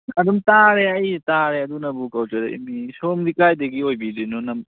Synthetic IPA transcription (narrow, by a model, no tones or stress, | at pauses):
ɐdumtaɾeɐjtaɾeɐdunɐbukɐwt͡ʃɐɾḛḭmisomdikajdɐɡiojbidijnɔnɐm